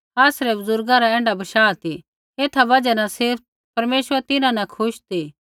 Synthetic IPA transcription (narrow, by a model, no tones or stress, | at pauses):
aːsɾɛbʊzʊɾɡãɾaɛ̃ːɳɖabɐʃaːt̪ʰi | eːt̪ʰabɐd͡ʒanasɪɾp̚ | pɐɾmeːʃʋəɾt̪ɪnãnɐ̃kʰʊʃt̪ʰiː